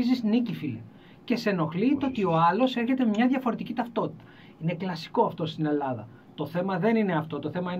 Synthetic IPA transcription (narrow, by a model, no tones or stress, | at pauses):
izisnicifilḛ | ce̞se̞no̞xlit̪o̞t̪io̞ɐlo̞se̞ɾçe̞t̪emɲɐðʝɐfo̞ɾe̞t̪icit̪ɐft̪o̞t̪i̥t̪ɐ̥ | ine̞klɐsi̥ko̞ɐft̪o̞st̪ine̞lɐðɐ̰ | t̪o̞θe̞mɐðe̞nine̞ɐft̪o̞t̪o̞θe̞mɐin